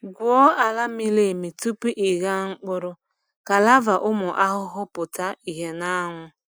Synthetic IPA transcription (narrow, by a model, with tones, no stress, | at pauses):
ɡʷɔ˦a˨la˦mi˦le˨mi˨tu˦pu˦ʔi˨ɡa˦ŋ͡m̩˦k͡pʊ˦ɾʊ˦ | ka˨la˦va˨ʔʊ˦mʊ˨ʔa˦ɦʊ˦ɦʊ˦pʊ˨ta˦i˨ɦe˦na˦a˦ŋʷʊ˦